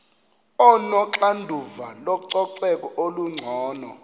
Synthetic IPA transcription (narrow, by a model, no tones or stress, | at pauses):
ɔnɔǁandʱuvalɔǀɔǀɛkʼɔʔoluŋ͡ǀʱɔːnɔ